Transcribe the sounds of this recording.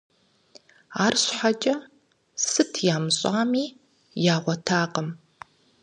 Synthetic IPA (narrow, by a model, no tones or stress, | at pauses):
aːrɕħat͡ʃʼɐ | sɨtʰjaːmɨɕʼaːmiː | jaːʁʷɔtʰaːqəm